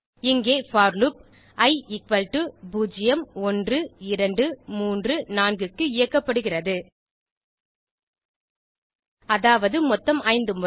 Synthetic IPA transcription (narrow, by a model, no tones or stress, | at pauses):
ɪŋɡeːfaːɾlup̚ | ɐɪɪkʋɐlʈɯbuːd͡ʒɪjɐmɔndrɯɪɾɐɳɖɯmuːndrɯnaːnɡɯkːɯɪjɐkːɐpːɐɽɯɣɪrɐðɯ | ɐðaːʋɐðɯmɔt̪ːɐmʔɐɪnd̪ɯmʊ